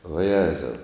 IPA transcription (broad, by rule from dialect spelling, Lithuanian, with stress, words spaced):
ʋɐˈjæːzɐʊ